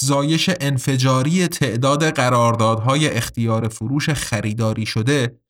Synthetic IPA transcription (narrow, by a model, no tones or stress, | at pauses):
zɒːje̞ʃe̞ʔenfe̞d͡ʒɒːɾije̞t̪ʰe̞ʔd̪ɒːd̪e̞ɢæɾɒːɾd̪ɒːd̪ɦɒːjeʔːxt̪ʰijɒːɾefoɾuːʃe̞xæɾiːd̪ɒːɾiːʃod̪e̞